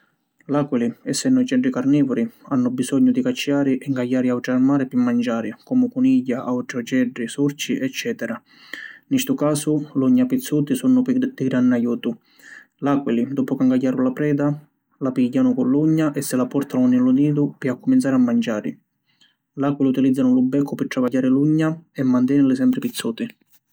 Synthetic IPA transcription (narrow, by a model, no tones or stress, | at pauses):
lakwiliɛsːɛnːʊit͡ʃɛɖːikarnɛːvʊɾianːʊbisɔɲːʊd̪ikat͡ʃːiaːɾiʔɛŋɡajːaːɾiawʈɾarmaːɾɪpɪmːand͡ʒaːɾikɔmʊkuniɟːaʔawʈɾɔd͡ʒɛɖːisuɾt͡ʃiʔɛt͡ʃːɛːt̪ɛɾa | nist̪ʊkaːsʊluɲːapit̪sːuːt̪isunːʊpd̪̥iɡɾanːajuːt̪ʊ | lakwilid̪ɔːpʊkaŋɡajːaːɾʊlapɾɛːd̪a | lapiɟːanʊkʊlːuɲːaʔɛsːɪlapɔɾt̪anʊnɪluniːd̪ʊpiakːumint̪saːɾɪamːand͡ʒaːɾɪ̰ | lakwiliut̪ilid̪zːanʊlubːɛkʰːʊpɪʈ̪ːɾavajːaːɾɪluɲːaɛmːant̪̬ɛːnɪlɪsɛmpɾɪpit̪sːuːt̪i